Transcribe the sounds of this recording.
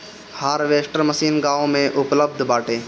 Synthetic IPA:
haːɾʋeːsʈəɾməsiːnɡaːomẽʔʊpləbd̪ʱbaːʈeː

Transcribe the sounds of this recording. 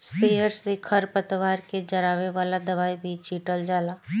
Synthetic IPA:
speːjəɾssekʰɐɾpət̪ʋaːɾked͡ʒɐɾaːʋeʋaːlad̪ɐʋaːibʱit͡ʃiːʈəld͡ʒaːlaː

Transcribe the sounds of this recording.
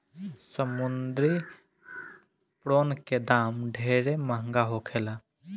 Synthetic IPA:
səmund̪ɾi | pɽoːnked̪aːmɖʱeɾeməɦəŋɡaɦokʰela

